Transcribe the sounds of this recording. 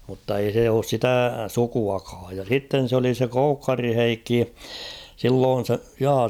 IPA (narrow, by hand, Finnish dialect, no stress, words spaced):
mutːɑ ei se oːs sitæˑ sukuɑkɑːj jɑ sitːen̞ s oli se koukːɑri heikːi silːoːn̞ se jɑː